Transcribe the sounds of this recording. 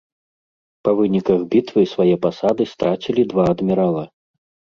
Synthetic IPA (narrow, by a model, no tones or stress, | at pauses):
pɐvɨnʲikɐɣbʲit̪vɨsvajɛpasad̪ɨst̪ɾat͡sʲilʲid̪vaːd̪mʲiɾalˠɐ